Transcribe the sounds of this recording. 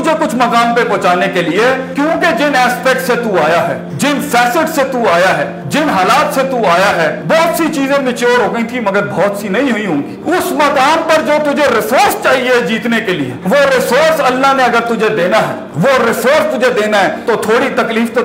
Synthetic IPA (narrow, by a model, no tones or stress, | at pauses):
ʊd͡ʒʱekʊt͡ʃʰmɐkaːnpeboːt͡ʃaːnekeliekjõːked͡ʒɪnɛːspɛːk̚ʈset̪uaːjaɦɛ̰ː | d͡ʒɪnfɛːsɪʈset̪uaːjaɦɛː | d͡ʒɪnɦaːlaːt̪set̪uaːjaɦɛːbɔːt̪sit͡ʃiːzẽmɪt͡ʃoːɾɦoːɡəĩt̪ʰimɐɡəɾbɔːt̪sinɐɦĩɦʊĩɦõːŋɡiːʊsmɐkaːnpɐɾd͡ʒoːt̪ʊd͡ʒʱeɾɪsoːɾst͡ʃaːɦied͡ʒiːt̪nekeliḛʋoɾɪsoːɾsɐlːaɦnẽɐɡəɾt̪ʊd͡ʒʱed̪eːnaɦɛ̰ː | ʋoɾɪsoːɾst̪ʊd͡ʒʱed̪eːnaɦɛːt̪ot̪ʰoːɽit̪ɐkliːft̪o